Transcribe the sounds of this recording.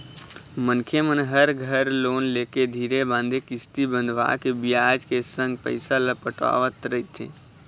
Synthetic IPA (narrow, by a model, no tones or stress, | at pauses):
mənkʰemənɦəɾɡʱəɾloːnleːked̪ʱiːɾebãːnd̪ʱekɪst̪ibə̃nd̪ʱʋa̰kebɪjaːd͡ʒkesə̃ŋɡ̚pə̰ɪsaləpəʈa̰ːʋət̪ɾəit̪ʰḛː